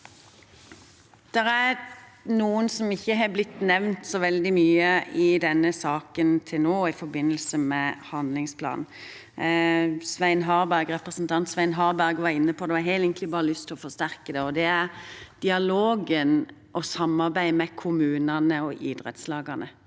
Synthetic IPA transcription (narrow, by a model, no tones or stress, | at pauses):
d̪̥ɛɾæɾnuːənsɔmɪçːəɦɑblɪt̪ːnɛʋnt̪sɔʋɛld̪ɪmyːəɪd̪ɛnːəsɑːkənt̪ʰɪlnoːɪfɔɾbɪnːəlsəmɛhɑnd̪lɪŋspʰlɑ̰ːnn̩ | sʋæɪnɦɑːɾbæɾɡɾɛpɾəsn̩t̪ʰɑnt̪sʋæɪnɦɑːɾbæɾɡʋɑɾɪnːəpʰɔd̪ɛhɑhɛɪlɛːŋkəlɪbɑːɾəlʏst̪ʰɪlɔfɔst̪æɾkəd̪ɛɔd̪ɛæɾd̪̥ɪɑloːɡənʔɔsɑmːɑɾbæɪmɛkʰʊmʉːnɑnəɔʔɪd̪ɾɛ̰t̪slɑːɡɑnə